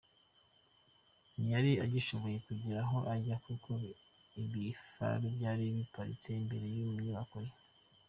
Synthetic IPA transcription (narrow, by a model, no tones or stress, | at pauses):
nijaɾiaɟiʃo̞βo̞je̞kuɟiɾaɦo̞ʔaɟakukʰo | iβifa̰ɾibɟaːɾiβipaɾḭt͡se̞imbe̞ɾe̞juβumɲoβakoɾe